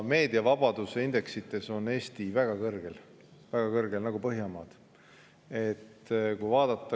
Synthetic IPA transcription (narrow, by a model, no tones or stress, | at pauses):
me̞ːd̪iɑvɑb̥ɑd̪useind̪̥e̞ksit̪ːˑe̞so̞ne̞ːst̪ivæɡ̥ɑkɤrɡ̥e̞l | væɡ̥ɑkɤrɡ̥e̞lnɑɡ̥upɤɦjɑmɑːd̪̥ | e̞t̪ːkujvɑːd̪̥ɑt̪ːˑɑ